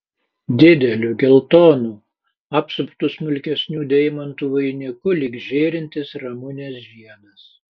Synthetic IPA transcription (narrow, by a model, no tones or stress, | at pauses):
d̪ʲɪd̪ʲɛlʲuɡʲɛlˠt̪oːnuː | ɑpsʊpt̪ʊsmʊlʲkʲɛsʲnʲuːd̪ʲɛɪmɐnt̪uːʋɐɪnʲɪkʊlʲɪkʒʲeːɾʲɪnʲt̪ʲɪsɾɐmʊnʲesʒʲiɛnɐs